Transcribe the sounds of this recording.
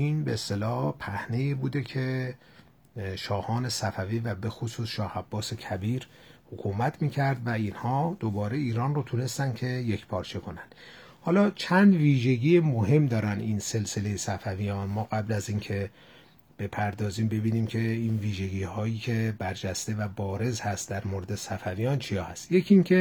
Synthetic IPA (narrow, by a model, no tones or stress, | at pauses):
inbeːst̪e̞lɒːhpʰæhne̞jiːbuːd̪e̞cʰe̞ | ʃɒːhɒːne̞sæfæviːvæbe̞xosuːsʃɒːhæbːɒːse̞cʰæbiːɾ | hokʰumæt̪ʰmiːcʰæɾd̪væiːnhɒːd̪̥obɒːɾe̞iːɾɒːnrot̪ʰune̞st̪ænd̪cʰe̞je̞cʰpʰɒːɾt͡ʃʰe̞kʰo̞nænd̪̥ | hɒːlɒːt͡ʃʰænd̪viːʒe̞ɟiːjemoɦe̞md̪ɒːɾænd̪inse̞lse̞le̞jesæfævijɒːnmɒːɣæblæziːncʰe̞ | b̥e̞pʰæɾd̪ɒːziːmbe̞biːniːmcʰe̞inviːʒe̞ɟiːhɒːjiːcʰe̞bæɾd͡ʒæst̪e̞væbɒːɾe̞zhæst̪d̪æɾmoɾed̪e̞sæfævijɒːnt͡ʃʰijɒːhæst̪je̞cʰiŋkʰe̞